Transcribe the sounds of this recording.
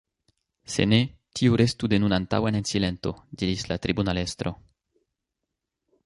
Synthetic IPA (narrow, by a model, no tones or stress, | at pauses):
sḛnet̪iuɾest̪ud̪enunant̪a̰wenensilent̪od̪iɾislat̪ɾibunalest̪ɾo